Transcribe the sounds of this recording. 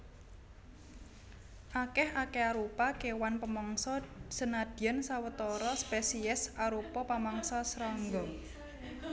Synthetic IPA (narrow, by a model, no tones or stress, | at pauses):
ʔakɛhakɛaɾupakewanpəmɔŋsɔsənad̪̥iansawət̪ɔɾɔspesiɪsaɾupɔpamɔŋsɔsɾɔŋɡɔ